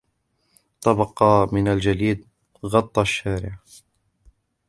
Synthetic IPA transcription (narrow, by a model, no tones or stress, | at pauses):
t̪ˤɑbɑqɑmɪnald͡ʒaliːd̪̚ | ɣɑt̪ˤːɑʃːaːɾɪ̰ʕ